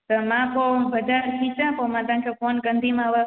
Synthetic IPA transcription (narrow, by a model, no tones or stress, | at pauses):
t̪omãpobəd̪ʱaɾkʰit͡ʃãpomãd̪ãŋkʰekonɡənd̪ʱimãʋə